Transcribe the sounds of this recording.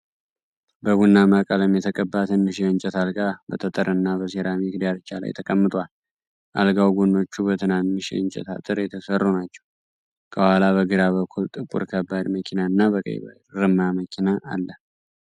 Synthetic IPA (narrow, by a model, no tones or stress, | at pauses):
bəβunːamakʼələmjɛt̪ʰəkʼəbːat̪ʰɨnːɨʃeɨɲt͡ʃʼɛt̪alɡabət̪ʰət̪ʼəɾɨnːaβəs̬eɾamiɡd̪jalt͡ʃːala̰jt̪ʰəkʼəmːɨt̪ʼwal | ʔa̰lɡawɡonːo̞t͡ʃːubət̪ʰɨnannɨʃḛɨnt͡ʃʼɛ̰t̪ʰa̰t̪ʼɨɾjɛt̪ʰəsərːonat͡ʃːɛ̥w | kʰəwhalaβəɡɨɾaβəkʰːult̪ʼɨkʼṵɾkʰəbːad̪məkʰinaɨnːabəkʼə̰jβə̰ | ɾɨmaməkʰinaʔalːə